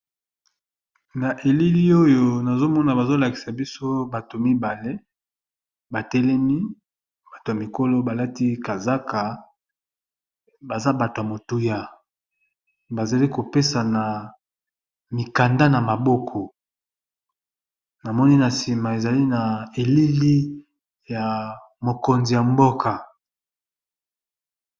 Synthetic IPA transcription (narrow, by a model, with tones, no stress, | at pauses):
na˨ʔe˨li˦li˦o˦jo˦na˨zo˦mɔ˦na˨ba˨zo˦la˨ki̥˨sa˨bi˦so˦ba˨to˨mi˦ba˨le˦ | ba˨tɛ˦lɛ˦mi˦ | ba˨to˨a˨mi˨ko˦lo˦ba˨la˦ti˦ka˨za˦ka˨ | ba˨za˦ba˨to˨ja˨mo˨tu˦ja˦ | ba˨za˨li˦ko˨pe˦sa˨na˨ | mi˨ka˨nda˦na˨ma˨bo˦kʰɔ˨ | na˨mɔ˦ni˦na˨si˨ma˨e˨za˨li˦na˨e˨li˦li˦ | ja˨ | mo˨ko˨nzi˨ja˨mbo˦kʰa˨